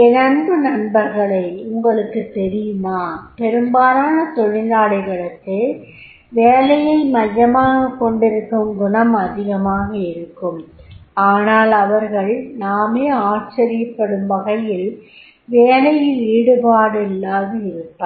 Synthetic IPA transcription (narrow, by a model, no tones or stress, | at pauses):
ɪnɐnd̪ɯnɐɳbɐɾɣɐɭɐɪʊŋɡɐɭɯkːɯt̪ːɛɾɪjɯmaːpɛɾɯmbaːɾaːnɐt̪ɔɻɪnd̪aːlɐɪɣɐɭɐkːɯ | ʋeːlɐjɐɪmɐjːɐmaːɣɐkːɔɳɖɪɾɯkːɯmɡʊɳɐmɐðɪɣɐmaːɣɐɪɾɯkːɯmaːnaːlɐʋɐɾɣɐɭnaːmeːaːʈ̚t͡ʃɐɾɪjɐpːɐɽɯmbɐɣɐjɪl | ʋeːlɐjɪlʋiːɽɯpaːɽɪlːaːðɯɪɾɯpːɐ